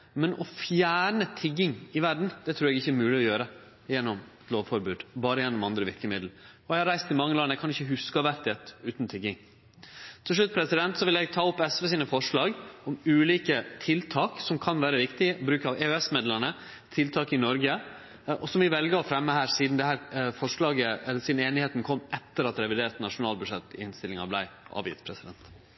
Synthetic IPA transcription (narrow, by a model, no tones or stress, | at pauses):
mɛnʔɔfjæːɳət̪ʰɪɡːɪŋɪʋæɾɖɳ̩d̪̥ɛt̪ʰɾʉːɾɛɡɪçːəɛɾmʉːlɪɔjøːɾə | jɛnːɔmt̪loːʋfɔɾbʉːd̪bɑːɾəjɛnːɔmɑnd̪ɾəʋɪɾkəmɪd̪l̩ɔɛhɑɾæɪst̪ʰɪlmɑŋːəlɑnəɛɡkʰɑnɪçːəɦʉskɑʋæɾt̪ɪɛt̪ʉːt̪nt̪ʰɪɡːɪŋ | t̪ʰɪlʂ̬ɭʉt̪̚ːpʰɾɛsɪd̪ɛnt̪sɔʋɪlɛɡ̚t̪ʰɑːɔpːɛsʋɛs̬iːnəfɔʂɭɑːɡɔmʉːliːkət̪ʰɪlt̪ʰɑːksɔmkʰɑnʋæːɾəʋɪkt̪ɪʔɔbɾʉːkəɑʋeːøɛsmeːd̪lənə | t̪ʰɪlt̪ʰɑːkɪnɔɾɡə | ʔɔsɔmʋɪʋɛlɡəɔfɾɛmːəhæːɾsiːd̪nd̪ɛhæːɾfɔʂɭɑːɡəɛlːəɾsiːd̪n̩eːnɪheːt̪n̩kʰɔmːʔɛt̪ːəɾɑt̪ɾɛʋɪd̪eːɾt̪nɑʂʊnɑːlbʉʂɛt̪ːɪhɪnst̪ɪlɪŋɑ̰blæɪʔɑ̰ːʋjɪ̰t̪pʰɾɛsɪd̪ɛ̰nt̪